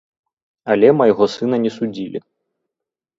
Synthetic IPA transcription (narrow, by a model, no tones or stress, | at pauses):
alʲɛmɐjɣɔsɨnɐnʲɛsud͡zʲilʲḭ